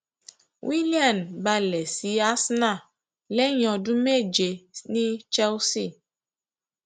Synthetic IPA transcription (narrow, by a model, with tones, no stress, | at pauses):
wʔi˦li˦a˦˨nba˦lɛ˨si˦a˦sna˦˨ | lɛ˦ɲɔ̃˨du˦me˦˨d͡ʒe˨ni˦t͡ʃɛ˦wsi˦˨